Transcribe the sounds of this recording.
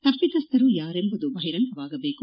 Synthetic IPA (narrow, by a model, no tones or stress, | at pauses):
t̪ɐpːit̪ɐst̪ɐɾujaːɾembɐd̪ubɐɦiɾɐŋkɐʋaːɡɐbe̞ːku